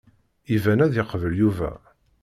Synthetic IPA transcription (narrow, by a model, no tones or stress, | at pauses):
ivænæðeqəvəljuvæ̰